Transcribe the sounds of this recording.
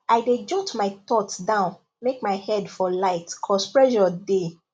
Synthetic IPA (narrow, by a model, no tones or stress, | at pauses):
aɪded͡ʒɔtmaɪt̪ɔtdãʊ̃n | mekmaɪhɛdfɔlaɪtkʰɔspɹɛʒɔde